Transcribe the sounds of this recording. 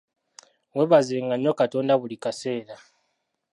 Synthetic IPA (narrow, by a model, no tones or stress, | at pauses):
weβazeːŋɡanːo̞kato̞ːndaβulikase̞ːɾa